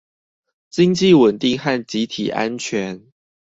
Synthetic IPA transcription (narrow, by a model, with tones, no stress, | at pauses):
t͡ɕi˥ŋt͡ɕi˥˨wə˨˩nt̪i˥˧ŋxa˥˩nt͡ɕi˨˦t̪ʰḭ˨˩ʔa̰˦nt͡ɕʰɥɛ˨˧˦n